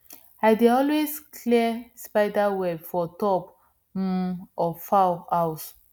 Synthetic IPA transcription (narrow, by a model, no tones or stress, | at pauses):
ajdeɔlwezkʰlispaɪdawɛbfɔtɔp̩ | ɔfawaʊs